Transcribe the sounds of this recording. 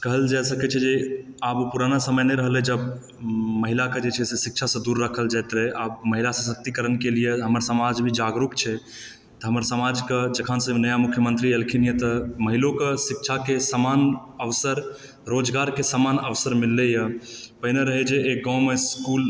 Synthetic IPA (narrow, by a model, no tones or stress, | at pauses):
kəɦəld͡ʒasəkɛt͡ʃʰɛd͡ʒeabpuɾanasəməjneɾəɦəlɛd͡ʒəb | məɦilaked͡ʒet͡ʃʰɛsesik̚t͡ʃʰasə̃d̪uɾːəkʰəld͡ʒajt̪ɾɛʔabməɦilasə̃sək̚t̪ikəɾənkelijeɦəməɾsəmad͡ʒbʱid͡ʒaɡɾukt͡ʃʰɛ | t̪əɦəməɾsəmad͡ʒked͡ʒəkʰənsə̃nəjamukʰːjəmənt̪ɾielkʰinijet̪əməɦilokesik̚t͡ʃʰakesəmanəʋsəɾ | ɾod͡ʒɡaɾkesamanəʋsəɾmilːejəpəɪneɾəɦɛd͡ʒeʔeɡãwmeskul